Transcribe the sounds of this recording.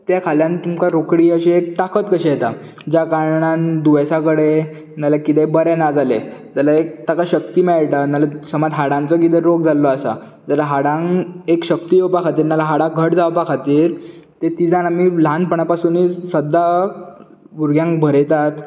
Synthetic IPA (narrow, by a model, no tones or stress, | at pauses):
t̪jakʰaljant̪umkaɾokɽiːəɕeek̚t̪akət̪kəɕijet̪a | d͡ʑakaɾɳand̪uʋəsakəɽe | nalakit̪ebəɾɛnad͡zaled͡zalaek̚t̪akaɕək̚t̪iːmɛɭʈanalasəmad̪ɦaɽãnt͡səkit̪̬eɾoɡd͡zalɔasa̰ | d͡zalaɦaɽãŋekɕəkt̪ijewpakʰat̪iːɾnalaɦaɽãɡʱəʈd͡zawpakʰat̪iːɾt̪et̪id͡zãnamilãnd̪̚pəɳapasuːnisəd̪a | buɾɡjãŋk̚bʱəɾt̪at̪